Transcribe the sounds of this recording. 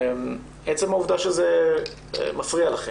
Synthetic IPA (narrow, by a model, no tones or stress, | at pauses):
m | et͡semhauvd̪aʃezḛ | mafʁialaχe